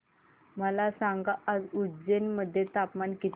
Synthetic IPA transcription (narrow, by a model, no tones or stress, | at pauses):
məlasaŋɡaʔːd͡zud͡zenməd̪ʱːjet̪apmankit̪